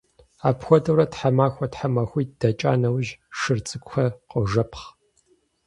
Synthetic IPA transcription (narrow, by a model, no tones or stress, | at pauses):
aːpxʷɔdɐwɾɐtħamaːxʷɔtħamɐxʷiːd̥ɐt͡ʃʼa̰ːnɐwʒʂɨrt͡sʼɨkʷʼxɐqʼoʒɐpʰχ